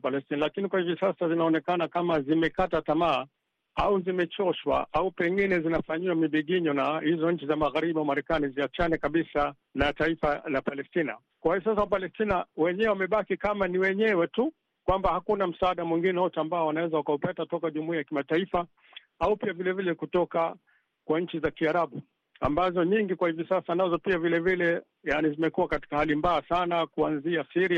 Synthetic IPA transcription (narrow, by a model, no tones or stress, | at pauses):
palɛstinalakinikwahivisasazinaɔnɛkanakamazimɛkatatamaː | auzimɛt͡ʃɔʃwa̰ʔaupɛŋɡinɛzinafaɲiwamiɓiɠiɲɔnahizɔɲ̩t͡ʃizamaɣaɾiɓawamaɾɛkaniziat͡ʃanɛkaɓisa | lataifalapalɛstina̰ | kwahiɔs̬asawapalɛstinawɛɲɛwɛwamɛɓakikamaniwɛɲɛwɛtu | kwambahakunam̩saaɗamwiŋɡinɛwɔtɛambaɔwanawɛzawakaupɛtatɔkaʄumuiajakimataifa | aupiavilɛvilɛkutɔka | kwaɲ̩t͡ʃizakiaɾaɓu | a̰mbazɔɲiŋɡikwahivisasanazɔpiavilɛvilɛ | janizimɛkuwakati̥kahalimbaːsanakuanziasiɾia